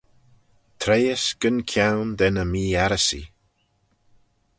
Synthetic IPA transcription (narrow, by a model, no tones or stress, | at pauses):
t̪ʰɾejəsɡ̥ənkʰjawnd̪ɛnəmiːaɾəsḭ